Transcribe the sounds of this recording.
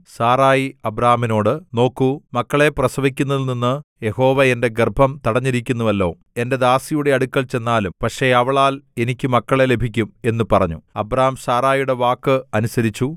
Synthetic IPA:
saːraːjiɐbɾaːmino̞ːɽɨno̞ːkːumɐkːɐɭe̞prɐsɐʋikʲːunːɐðlninːɨje̞ho̞ːʋɐe̞nde̞ɡerbʱɐmt̪ɐɽɐɲːiɾikʲːunːuʋɐlːo̞ː | e̞nde̞d̪aːsijuɽe̞ɐɽukʲːɐɭt͡ɕe̞nːaːlumpɐkʂe̞ɐʋɐɭaːle̞nikʲːɨmɐkːɐɭe̞le̞bʱikʲːume̞nːupɐrɐɲːuɐbɾaːɐmsaːɾaːjuɽe̞ʋaːkːɨɐnusɐɾit͡ɕːu

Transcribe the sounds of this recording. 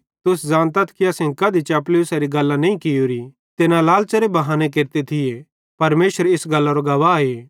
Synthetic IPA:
t̪ʊsd͡ʒãːnt̪ɐt̪ʰkiɐsẽkɐd̪it͡ʃɛːp̬lɪʊsaɾiɡɐlːãnɐĩkɪjoːɾi | t̪ɪnãlaːlt͡ʃɐɾebɐɦaːnek̬eɾt̪et̪ʰɪje | pɐɾmeːʃəɾeɪsɡɐlːaɾoɡɐʋaeː

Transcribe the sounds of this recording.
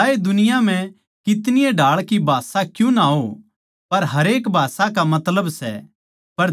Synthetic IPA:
aːed̪ʊnɪjãm̤ɛ̃ | kɪt̪nɪjeɖʱaːɭkibʱaːsakjũnaɦo | pɐɾɦɐɾeːkbʱaːsakamɐt̪ləbsɛ | pɐɾ

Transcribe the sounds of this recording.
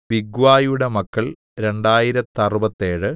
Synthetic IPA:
ʋiɡʋaːjuɽemɐkːɐɭ | ɾe̞ɳɖaːjiɾɐt̪ːɐrubɐt̪ːe̞ːɻɨ

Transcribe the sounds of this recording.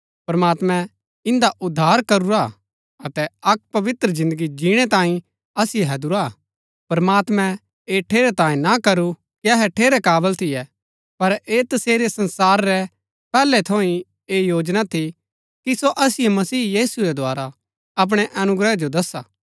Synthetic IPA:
pɾɐmaːt̪mɛ̃ | ɪ̃nd̪aʔʊd̪ʱːaːɾkɐɾuɾa̰ | ɐt̪ɛɐk̚ːpɐʋɪt̪ɾəzɪ̃nd̪əɡid͡ʒiːɽ̃ɛt̪ãːĩ | ɐsɪjɛɦɐd̪uɾa | pɐɾmaːt̪mɛ̃ | eːʈʰeːɾɛt̪ãːĩnakɐɾu | kiɐɦɛʈʰeːɾɛkaːbəlt̪ʰɪjɛ | pɐɾeːt̪ɐseːɾesɐ̃nsaːɾːɛ | pɛːlɛt̪ʰoːĩ | eːjoːd͡ʒnat̪ʰi | kisoʔɐsɪjɛmɐsiːjiːsuɾɛd̪ʱwaːɾa | ɐp̬ɽ̃ɛʔɐnʊɡɾəd͡ʒod̪ɐsaː

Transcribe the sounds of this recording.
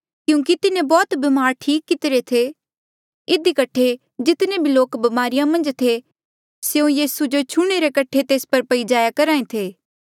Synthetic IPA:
kjũːk̬it̪ɪnẽbɔːt̪bimaːɾʈʰiːkːɪt̪ɪɾet̪ʰe | ɪd̪ikɐʈʰe | d͡ʒɪt̪nẽbʱiloːkbɐmaːɾijãmɐ̃nd͡ʒt̪ʰe | seõjiːsud͡ʒot͡ʃʰʊɽ̃eɾekɐʈʰet̪eːspɐɾpɐid͡ʒaːjakɐɾaːẽt̪ʰeː

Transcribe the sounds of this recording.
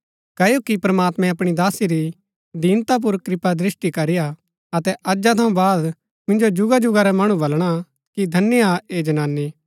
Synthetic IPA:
kɐjokipɾɐmaːt̪mɛ̃ɐpɽ̃id̪aːsiɾi | d̪iːnt̪ap̬ʊɾkɾɪpad̪ɾɪsʈikɐɾɪja | ɐt̪ɛʔɐd͡ʒat̪ʰɐũbaːd̪ | mɪ̃nd͡ʒod͡ʒʊɡad͡ʒʊɡaɾɛmɐɽ̃ũbɐlɽ̃a | kid̪ʱɐnːjaeːd͡ʒɐnaːnːi

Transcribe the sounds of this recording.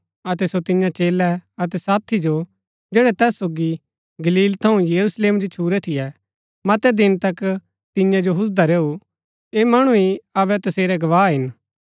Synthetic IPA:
ɐt̪ɛsot̪ɪɲjãt͡ʃeːlɛɐt̪̬ɛsaːt̪ʰːid͡ʒo | d͡ʒeːɽɛt̪ɛːsːoːɡi | ɡɐliːlt̪ʰɐũjɐɾusleːmd͡ʒot͡ʃʰuːɾɛt̪ʰɪjɛ | mɐt̪ɛd̪ɪnt̪ɐk | t̪ɪ̃jãd͡ʒoɦʊs̬d̪aɾeːu | eːmɐɽ̃uiɐβɛt̪ɐseːɾɛɡɐʋaːɦɪn

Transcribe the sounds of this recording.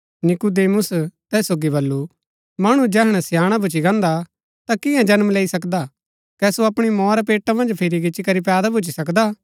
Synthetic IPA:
nɪkud̪eːmʊst̪ɛːsːoːɡibɐlːu | mɐɽ̃ũd͡ʒɛːɦɽ̃ɛsjaːɽ̃abʱʊt͡ʃiɡɐ̃ːnd̪a | t̪akɪ̃jãd͡ʒɐnmleːisɐkd̪a | kɛsoɐpɽ̃imɔːɾapeːʈamɐ̃nd͡ʒpʰɪɾiɡɪt͡ʃikɐɾipɛːd̪abʱʊt͡ʃisɐkd̪aː

